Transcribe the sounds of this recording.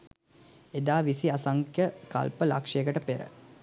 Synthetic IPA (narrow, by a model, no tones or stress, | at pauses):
ed̪aːʋisiasaŋkjəka̰lpəla̰kʂejəkəʈəpeɾə̰